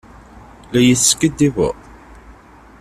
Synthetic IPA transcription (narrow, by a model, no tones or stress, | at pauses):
læjəθsə̥kːəd̪ivə̰